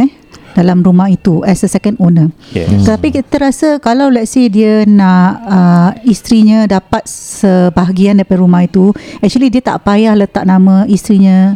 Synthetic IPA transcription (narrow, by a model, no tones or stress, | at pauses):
ɛ | d̥alamɾumahit̪uɛsəsɛkəndonət̪ət̪apikit̪əɾasakalawlɛt̪̚sediənãʔəist̪ɾiɲãdapat̪̚səbaɦaɡiandapadɾumahit̪uɛk̚t͡ʃuəlidiət̪a̰ʔpajahlət̪aʔ̚nãmãist̪ɾiɲã